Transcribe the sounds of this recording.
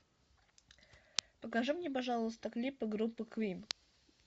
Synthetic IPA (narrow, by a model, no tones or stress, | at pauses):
pəkaʐumnʲepɐʐalˠəəst̪əklʲipɨɡɾupːɨkvʲim